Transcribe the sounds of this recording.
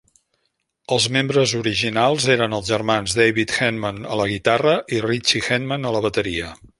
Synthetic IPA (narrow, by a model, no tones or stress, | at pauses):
əlˠzmembɾəzuɾiʒinalˠzeɾənəlˠzʒərmanzd̪ejβit̪xɛnmənələɣit̪arəʔirit͡ʃixɛnmənələβət̪əɾiə